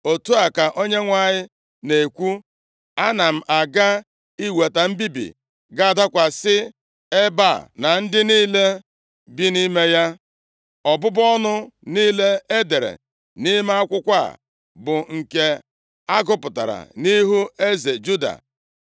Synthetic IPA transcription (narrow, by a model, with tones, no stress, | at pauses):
o˨tu˦a˨ka˨ʔo˦ɲe˦ŋʷa˦ɲɪ˦ | ne˨kʷu˦ | a˦na˨m̩˨ʔa˨ɡa˦ | i˦we˨ta˨m̩˦bi˦bḭ˨ | ɡa˦˨da˦kʷa˨sɪ˦ | e˦ba̰˦˨na˨n̩˦dɪ˦niː˦le˦ | bi˦ni˦me˦ja˦ | ɔ˨bʊ˦bɔ˦nʊ˦niː˦le˦e˦de˨ɾḛ˨ | ni˦m˦a˦kʷʊ˦kʷa̰˦˨ | bʊ˨ŋ̩˨ke˨ | a˦ɡʊ˦pʊ˨ta̰˨ɾa̰˨ni˦ɦu˦e˦ze˨d͡ʒu˦da̰˨